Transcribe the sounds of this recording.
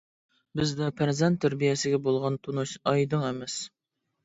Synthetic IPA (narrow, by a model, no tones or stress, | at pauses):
bɪzd̪ɛpʰæɾzɛnt̪ʰːæɾbijɛsɪɡʲɛbolˠʁɑnt̪ʰunuʃɑjd̪ɨŋɛmɛs